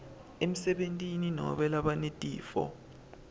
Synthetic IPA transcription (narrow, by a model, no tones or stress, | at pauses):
em̩sɛɓentʼininɔ̰ɓɛlaɓanetʼiːfɔ̰